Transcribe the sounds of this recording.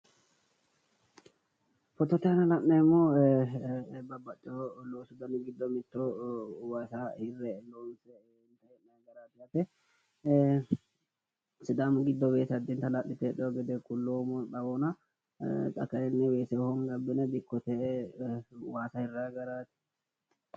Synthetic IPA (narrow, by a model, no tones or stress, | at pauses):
fɔt̪ːɔt̪ɛhɐnɐlɐʔːɛɪmːo | bɐbːɐt͡ʃʼːɔloːsɪd̪ɐnɡɪd̪ːɔmɪt̪ːɔwasahɪrːɛloːnsɛ | ɪnt̪ɐhɛnɐjɡɐɾaːt̪ɪjat̪ɛ | sɪd̪amɡɪd̪ːɔbeːsɐd̪ɪnt̪ɐlɐʔːɪt̪ɛᶑɔɔɡɛd̪ɛkʼʊlːoːmɔɗ̪ɐbɔnɐ | t̪ʼɐkɐɛnːɛweːsɛhɔŋɡɐbːɪnɛb̪ɪkːɔt̪ɛ | waːsɐhɪrːaːɡɐɾat̪ɛ̥